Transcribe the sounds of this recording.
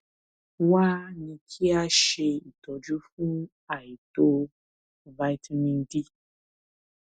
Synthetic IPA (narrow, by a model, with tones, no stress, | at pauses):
wa˦nĩ˧kʰi˦a˦ʃe˧i˨t̪ɔ˨d͡ʒu˦fu˦ | a˨ji˨to˦ | va˧jtmĩ˧ndi˦